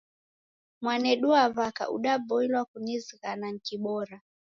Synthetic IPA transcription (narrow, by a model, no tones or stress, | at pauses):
mwanɛɗuavaka̰ʔṵɗabɔilwakuniziɣanaŋ̩kiɓɔɾa